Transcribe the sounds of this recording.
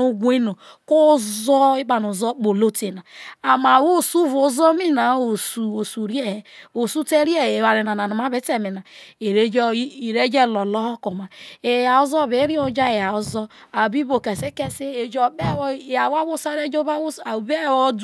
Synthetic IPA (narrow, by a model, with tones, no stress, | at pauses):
o˦ɡʷe˦no˨ | ko˦zɔ˦i˦k͡pa˨no˨zɔ˦k͡po˨lo˦te˨na˨a˨ma˨wo˦˨su˦vo˨˦zɔ˦mi˦na˨o˨su˨o˨su˨ɾe˦ho˨su˦te˦ɾi˦e˦e˨wa˨ɾe˨na˨na˨nu˨ma˦be˦te˦mi˨na˨e˨ɾe˦d͡ʒi˨ɾe˦d͡ʒe˦˨lɔ˨lɔ˦hɔ˦ko˨ma˨e˨ja˨o˦zɔ˦˨be˨˦ɾi˦o˨d͡ʒa˦e˨ja˨o˨zɔ˦ | a˨bi˦bo˨ke˨se˦ke˦se˦e˨d͡ʒɔ˨be˦˨ja˨wa˦bo˦sa˦ɾe˦d͡ʒo˦ba˦˨be˦˨wɔ˦d